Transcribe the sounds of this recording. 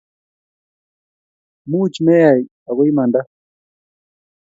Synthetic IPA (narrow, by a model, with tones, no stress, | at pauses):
mu˦t͡ʃmɛ˦ja˨j | a˨ɣɔ˦i˦ma˨nda˦